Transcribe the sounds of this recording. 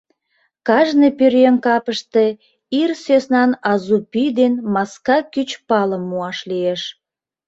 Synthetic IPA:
kɑʒnəpøɾjenkɑpəʃt̪e | irsøsnɑnɑzupyd̪enmɑskɑkyt͡ɕpɑləmːuɑʃlieʃ

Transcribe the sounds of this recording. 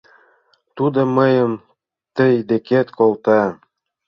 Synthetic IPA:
t̪ud̪ŏməjə̆m | t̪əjd̪eket̪kolt̪ɑ

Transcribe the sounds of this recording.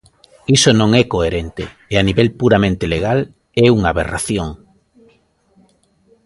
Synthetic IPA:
isonõŋɛkoeɾɛnt̪ḛ | eaniβɛlpuɾamẽnt̪eleɣ̞al | ɛuŋaβera̰θjoŋ

